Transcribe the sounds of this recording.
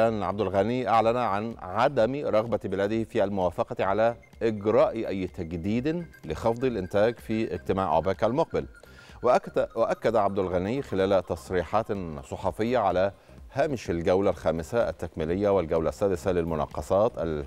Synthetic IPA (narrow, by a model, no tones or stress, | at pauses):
æːnʕa̰bd̪ælɣæniːʔaʕlænʕanʕad̪æmɾˤɑɣbæbɪlæːd̪ɪhfiːælmʊwæːfɑqɑt̪ʕalæ | ʔɪɡɾˤɑːʔiʔæjːt̪æɡd̪iːd̪ɪlɪxɑfd̪ˤɨlʔɪnt̪æːɡfiːʔɪɡ̚t̪ɪmaːʕʔo̰bæːkʕalmoq̚bɪl | wwʔækːæd̪ʕab̚d̪ælɣænɪːxɪlæːlt̪ɑsˤɾiːħɑːt̪sˤɑħɑfɪjːaʕalæ | hæːmɪʃɪlɡæwlælxæːmɪsaʔæ̰t̪ːækmɪlɪjːæwɪlɡæwlæsːæːd̪ɪsælɪlmʊnɑ̰qːɑsˤɑːt̪ʔæl